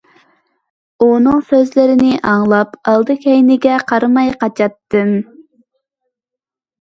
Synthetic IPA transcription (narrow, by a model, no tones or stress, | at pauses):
unɨŋsøzlɪɾɪnɪʔɑŋlˠɑpɑlˠd̪ɨkʲʰɛjnɪɡʲɛqʰɑɾɨmɑjqɑt͡ʃʰɑt̪ːɨn